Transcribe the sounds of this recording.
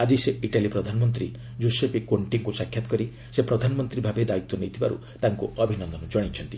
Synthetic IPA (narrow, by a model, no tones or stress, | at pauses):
ad͡ʒiseiʈalipɾɔd̪ʱanɔmɔnt̪ɾi | d͡ʒusepikoɳʈiŋkusakʰjat̪ɔ̥kɔɾi | sepɾɔd̪ʱanɔmɔnt̪ɾibʱabed̪ait̪ːɔnejt̪ʰibaɾṵ | t̪aŋkuɔbʱinɔnd̪ɔnɔd͡ʒɔɽ̃it͡ʃʰɔnt̪i